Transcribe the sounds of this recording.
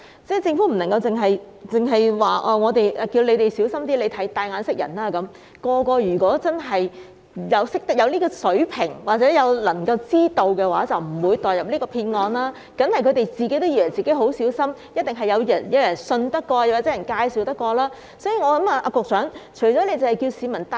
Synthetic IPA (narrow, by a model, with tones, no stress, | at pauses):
t͡sɛ˥˩t͡sɪ˧ŋfuː˨˥m̩˨˩nɐ˨˩ŋkɐ˧wt͡sɪ˨˩ŋɦɐ˨j | t͡sɪ˨ŋɦɐ˨jwaː˨˩ʔɔː˧ŋɔː˨˧t̪e˨jʔɐ˨˧kiː˧wle˨˧jt̪e˨jsi˨˥wsɐ˥mt̪iː˥le˨˧jt̪ʰɐ˨˥jt̪aː˧jŋaː˨˧nsɪ˥k̚jɐ̰˨˩naː˥kɐ˨˦˥m | kɔː˧kɔː˧jyː˨˩kɔː˨˥t͡sɐ˥nɦɐ˨j | jɐ˨˧wsɪ˥k̚t̪k̚jɐ˨˧wliː˥kɔː˧sɵ˨˥ɥpʰɪ˨˩ŋwaː˨˩t͡sɛː˨˥jɐ˨˧wlɐ˨˩ŋkɐ˧wt͡siː˥t̪o˧wkɛː˧waː˨˥t͡sɐ˨wm̩˨˩wuː˨˧jt̪ɔː˨˩jɐ˨p̚liː˥kɔː˧pʰiː˧nŋɔː˧nlaː˥ | kɐ˨˥nhɐ˨˩jkʰɵ˨˧t̪e˨jt͡siː˨ke˨˥t̪o˥jiː˧˩wɐ˨˩jt͡siː˨ke˨˥jɦo˨˥wsiː˨˥wsɐ˥mjɐ˥t̚t̪ɪ˨ŋɦɐ˨jːɐ˨˧wjɐ˨˩njɐ˨˧wjɐ˨˩nsɵ˧nt̪ɐ˥kːɔː˧jɐ˨˩waː˨˩t͡sɛ˨˥jɐ˨˩nkaː˧jsiː˨˧wt̪ɐ˥kːɔː˧laː˥ | sɔː˨˥jiː˨˧ŋɔː˨˧lɐ˨˥maː˧ʔa˧kʊ˨k̚sœː˨˥ŋt͡ʃʰɵ˨˩jt͡ʃɔː˨˥le˧jt͡sɐ˨whɐ˨˩jki˧wsiː˨˧mɐ˨˩nt̪